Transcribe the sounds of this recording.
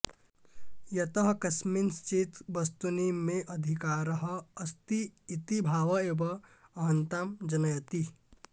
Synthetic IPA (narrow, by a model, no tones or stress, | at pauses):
jɐt̪əɦkɐsminst͡ʃit̪bɐst̪unimẽʔɐd̪ʱikaːɾəɦəɐst̪iːt̪ibʱaːʋɐeːbɐɐɦə̃nt̪aːmd͡ʒɐnɐjɐt̪i